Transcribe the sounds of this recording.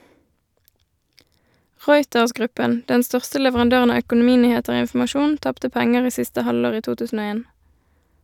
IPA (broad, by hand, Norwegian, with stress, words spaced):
ˈʁɔʏtəʁsˌɡʁʉpən ˈdɛn ˈstœʁstə lɛʋəʁɑnˈdøːʁən ˈɑː œkʊnʊˈmiːnyːˌheːtəʁ ˈoː ɪnfm̩ɑˈʃuːn ˈtɑptə ˈpɛŋəʁ ˈiː ˈsɪstə ˈhɑloːʁ ˈiː ˈtuː ˈtʉːsn̩ ˈoː ˈeːn